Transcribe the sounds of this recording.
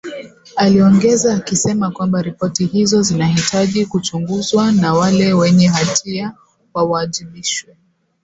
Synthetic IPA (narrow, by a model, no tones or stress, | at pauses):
aliɔŋɡɛzaːkisɛmakwambaɾipɔtihizɔzinaɦitaʄikut͡ʃuŋɡuzwanawalɛwɛɲɛɦatʰia | wawaːʄiɓiʃwɛ